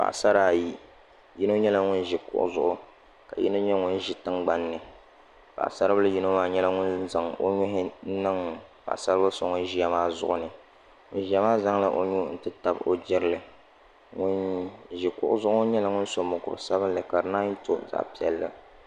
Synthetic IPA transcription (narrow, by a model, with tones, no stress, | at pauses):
pa̰˨ʔsa˦ɾaː˨ji˦ | ji˦no˦ɲɛ˦la˦ŋʊ˦nʒi˨kʊ̰˦ʔʊ̰˦zʊ˦ʔʊ˦ | ka̰˨ji˦no˦ɲɛ˦ŋʊ˦nʒɪ˨tɨ˦ŋɡ͡ba˦nːɨ˨ | pa̰˨ʔsa˦ɾba˦la˦ji˦no˦maː˦ɲɛ˦la˦ŋʊ˦nza˨ŋo̰˦ɲʊ˦ɦɪ˦nɨ˦ŋ˨pa̰˨ʔsa˦ɾba˦so˨˦ŋʊ˦nʒi˦a˨maː˦zʊ̰˦ʔʊ˦nɨ˨ | ŋʊ˦n˦ʒi˨˦a˦maː˦za˦ŋla˦ʔo˦ɲu˦n̩˦tɨ˦ta˨bo˦d͡ʒɪ˦ɾlɨ˨ | ŋʊ˦nʒi˨kʊ˦ʔʊ˦zʊ˦ʔʊ˦ɲɛ˦la˨ŋʊ˦n˦so˨mʊ˨kʊ̰˨ɾsa˦bɨ˦n˦lɨ˨ka˨ɾɨ˨naː˦n˦to˨za̰˨ʔpi˦ɛ˦lːa̰˦